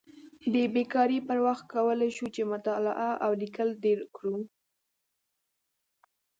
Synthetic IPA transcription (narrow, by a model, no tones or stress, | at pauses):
d̪əbekɑɾipəɾwaxt̪̚kawəlajʃut͡ʃemʊt̪ɑla̰ʔaʔawlikəlɖeɾkɽu